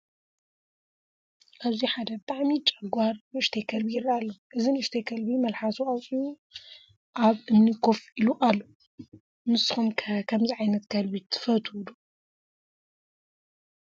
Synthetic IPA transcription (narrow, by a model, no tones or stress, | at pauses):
ʔaziħad̪ɐbɨt̪ʰʼaʕmit͡ʃʼɐɡʷaɾnɨɨʃt̪ʰekʰɐlbijɪrːaalːoʔɨzinɨɨʃt̪ʰekʰɐlbimɐlħasuasʼiju | ʔaβʔɨmnikʰofiluʔalːo | mɨsɨxumkʰkʰɐmziʕajnɐt̪kʰɐlbit̪ʰɨ̥fɐt̪ʰd̪u